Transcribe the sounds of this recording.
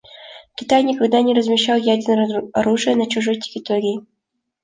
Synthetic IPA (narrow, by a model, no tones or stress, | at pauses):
kʲɪt̪ajnʲɪkɐɡd̪anʲɪɾəzmʲɪɕːalˠjadʲɪrnɐɾuʐɨjənɐt͡ɕʊʐojtʲɪ̥kʲɪt̪oɾʲɪi